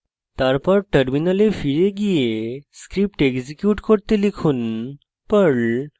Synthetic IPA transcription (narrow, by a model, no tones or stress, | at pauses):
t̪aɾpaɾʈəɾminəlefiɾeɡijeskɾip̚ʈeɡd͡ʑikjuʈkoɽt̪elikʰuːn | pəɭ